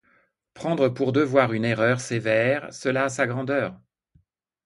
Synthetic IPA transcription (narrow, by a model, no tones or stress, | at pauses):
pχɑ̃d̪ʁəpuʁd̪əvwaʁyneʁœʁsevɛʁsəlaːsaɡʁɑ̃d̪œːʁ